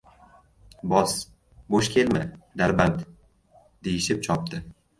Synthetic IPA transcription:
bɒs | boʃkʲʰe̞lmad̪aɾbant̪ | d̪̥ejɪʃɪp̚t͡ʃʰɒp̚d̪ɪ

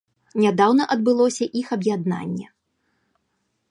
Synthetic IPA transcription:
nʲad̪awnɐʔɐd̪̚bɨlˠɔsʲɐʔixɐbjad̪na̰nʲːɛ̰

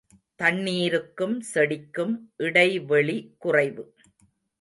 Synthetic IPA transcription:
t̪ɐɳːiːɾɯkːɯmsɛɽɪkːɯmʔɪɽɐɪʋɛɭikʊrɐɪʋɯ

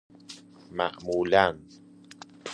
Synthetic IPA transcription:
ma̰ʔmulan

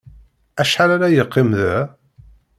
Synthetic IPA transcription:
æʃħaɾaɾajəqːɪmðæ

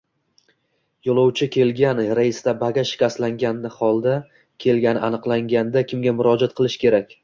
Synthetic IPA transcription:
jolˠɒwt͡ʃʰɪkʲʰe̞lɡʲanɾaɪst̪abaɡʲaʃɪ̥kʲast̪laŋɡʲanːɪχɒlˠd̪a | kʲʰe̞lɡʲanɪʔanɨqlˠaŋɡʲand̪akʲɪmɡʲamʊɾɒd͡ʒat̪̚qʰɨlˠɪʃkʲʰe̞ɾakʲ

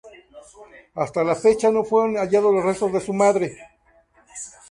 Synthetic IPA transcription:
ast̪alafe̞t͡ʃano̞fweɾonaʝaðolosre̞st̪o̞zðe̞sumaðɾe̞

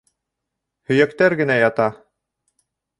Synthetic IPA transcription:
hɵ̆jækt̪æɾɡɘ̆næjɑt̪ɑ

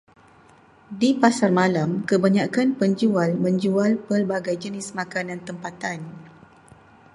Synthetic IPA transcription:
dipasarmãlamkəbaɲakanpəɲd͡ʒualmə̃ɲd͡ʒualpərbaɡajd͡ʒənɪsmãkanãnt̪əmpat̪an

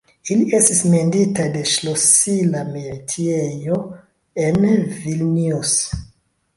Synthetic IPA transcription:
iliʔe̞stisme̞nditade̞ʃlosilameɾitʰiejo | envilnius

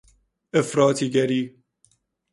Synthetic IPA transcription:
əfɾɔtʰiɡɛɾi

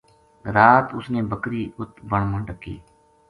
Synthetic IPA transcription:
ɾaːt̪ʊsnẽːbəkɾiːʊt̪bəɳməɳɖəkːḭː

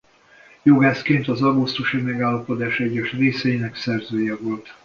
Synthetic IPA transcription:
joɡaːskeːnt̪ɒzɒɡust̪uʃimɛɡaːlːɒpo̞d̪aːʃɛɟːɛʃreːsɛjinɛksɛrzøːjɛvo̞lt̪

